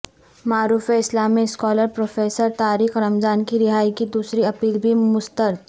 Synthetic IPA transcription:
maːɾuːfeɪslaːmiskɔːləɾpɾoːfeːsəɾt̪aːɾiːxɾɐmzaːnkiɾɪɦaːikid̪uːsɾiɐpiːlbʱimʊst̪əɾt̪

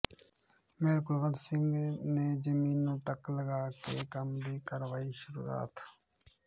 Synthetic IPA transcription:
meːlkʊlʋəd̪sɪŋɡneːd͡ʒəmiːnːũːʈəkləɡaːkeːkəmd̪iːkəɾʋaːiːʃʊɾṵːa̰ːt̪

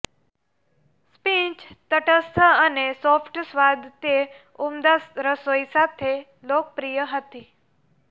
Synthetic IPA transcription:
spĩt͡ʃt̪əʈəst̪ʰəənesofʰʈsʋad̪t̪e | umd̪asɾəsoisat̪ʰe | lok̚pɾijəɦət̪i

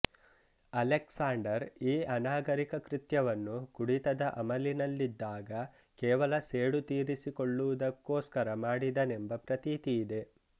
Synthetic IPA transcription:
ɐleksaːɳɖɐɾiːʔɐnaːɡɐɾikɐkɾit̪jɐʋɐnːukuɽit̪ɐd̪ɐʔɐmɐlinɐlːid̪ːaːɡɐ | kɛːʋɐlɐseːɽut̪iːɾisikoɭːuʋud̪ɐkːoːskɐɾɐmaːɽid̪ɐnembɐpɾɐt̪iːt̪ijid̪e̞

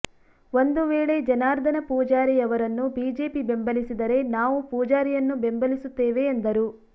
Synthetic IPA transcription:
o̞nd̪uʋeːɭe̞d͡ʒɐnaːɾd̪ʱɐnɐpɔːd͡ʒaːɾijɐʋɐɾɐnːubiːd͡ʒe̞ːpibe̞mbɐlisid̪ɐɾe̞naːʋupɔːd͡ʒaːɾijɐnːube̞mbɐlisut̪ːeːʋe̞ːnd̪ɐɾu

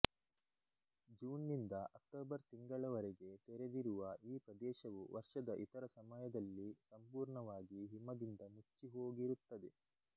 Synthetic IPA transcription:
d͡ʒuːnːind̪ɐʔɐk̚ʈoːbɐɾt̪iŋɡɐɭɐʋɐɾeɡe̞t̪eɾed̪iɾuʋɐiːpɾɐd̪ɛːʃɐʋuʋɐɾʂɐd̪ɐʔit̪ɐɾɐsɐmɐjɐd̪ɐlːisɐmpuːɾɳɐʋaːɡiɦimɐd̪ind̪ɐmut͡ʃːiɦoːɡiɾut̪ːɐd̪e

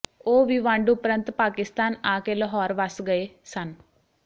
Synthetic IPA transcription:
oːʋiʋaːɳɖupɾɐnt̪paːkist̪aːnaːkelːɐɦɔːɾʋasɡɐjesɐn

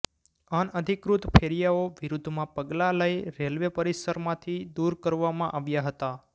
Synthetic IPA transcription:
anəd̪ʱikɾut̪pʰeɾijaoʋiɾud̪ʱmãpəɡlaləjɾelʋepəɾisəɾmãt̪ʰid̪uɾkəɾʋamãʔaʋjaɦət̪a

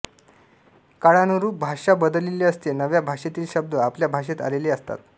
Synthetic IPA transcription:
kaɽanuɾuːp̚bʱaʂabəd̪əlileəst̪enəʋjabʱaʂet̪iːlɕəb̚d̪əapljabʱaʂet̪a̰leleəst̪a̰t̪

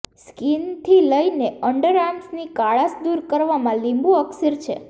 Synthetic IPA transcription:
skint̪ʰiləineəɳɖəɾamsnikaɭasd̪uɾkəɾʋamãlimbũəksəɾt͡ʃʰḛ

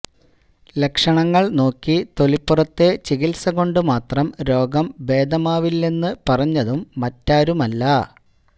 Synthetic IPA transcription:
le̞kʂɐɳɐŋːɐɭno̞ːkːit̪o̞lipːurɐt̪ːe̞t͡ɕiɣilsɐɣo̞ɳɖɨmaːt̪rɐmɾo̞ːɡɐmbe̞ːd̪ɐmaːʋilːenːɨpɐrɐɲːɐðumːɐtːaːɾumɐlːɐ

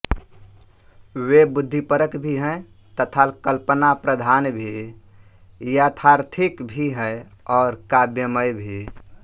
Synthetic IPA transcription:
webud̪ʱːipəɾəkbʱiɦɛ̃ɪ | t̪ət̪ʰalkəlpənapɾəd̪ʱanbʱi | jat̪ʰaɾt̪ʰikbʱiɦɛ̃ | ɔːɾkabjəməjbʱi

